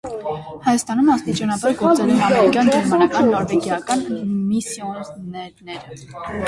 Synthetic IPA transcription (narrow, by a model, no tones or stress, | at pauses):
hɑjɑst̪ɑnumɑst̪it͡ʃɑnɑbɑɾɡɔɾt͡sənumɛɑmɛɾikjɑnd͡ʒɛɾmɑnɑkɑnːɔɾvɛɡjɑkɑnmisjɔnnɛɾnɛɾə